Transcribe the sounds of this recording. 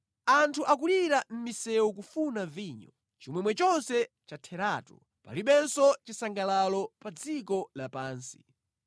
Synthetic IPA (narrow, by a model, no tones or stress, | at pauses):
antʰuʔak̬uliɾam̩misɛwɔk̬ufunaviɲɔ | t͡ʃimwɛmwɛt͡ʃɔnsɛ | t͡ʃatʰɛɾaːtɔ̰ | pa̰liɓɛnsɔt͡ʃisaŋɡalalɔpad͡zikɔlapaːnsi̥